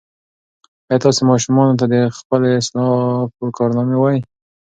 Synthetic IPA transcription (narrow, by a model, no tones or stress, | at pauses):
ajɑt̪ɑsemɑʃumɑnot̪̬ad̪əxpəleɪslɑpəkɑɾnɑmewɑji